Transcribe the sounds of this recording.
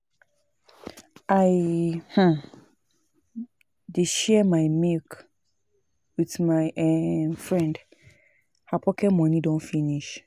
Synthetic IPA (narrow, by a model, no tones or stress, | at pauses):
aɪhã | deʃɛmaɪmilk | wiθmaɪʔɛmfɹɛ̃nd | hapʰɔkʰɛmɔ̃nidõnfiniʃ